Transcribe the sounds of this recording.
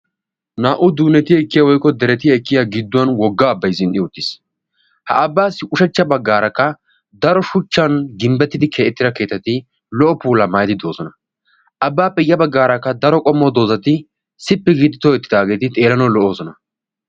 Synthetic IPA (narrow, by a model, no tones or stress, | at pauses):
naːʔʊd̪uːnɛt̪ɪjɐɪkːɪjɐwɔjkːɔd̪ɛɾɛt̪ɪjɐɪkːɪjaɡɪd̪ːʊwɐnwɔɡːaːbːɐjzɪnʔɪʊt̪ːɪs | hɐɐbːaːsːɪʔʊʃɛt͡ʃːɐbɐɡːaːɾɐkːɐ | d̪ɐɾɔʃʊt͡ʃːɐnɡɪmbɛt̪ːɪd̪ɪkʰeːʔɛt̪ːɪɾɐke̞ːt̪ːɐt̪ɪ | lɔʔɔpuːlɐmaːjd̪ɪd̪o̞ːzɔnɐ | ʔɐbːaːpʼɛjːɐbɐɡːaːɾɐkːɐd̪ɐɾɔkʼɔmːɔd̪o̞ːzɐt̪ɪ | sɪpːɛɡid̪ɪt̪ɔɛt̪ːɪd̪aːɡe̞ːt̪ɪt̪ʼe̞ːlɐnɔlɔʔoːzɔnɐ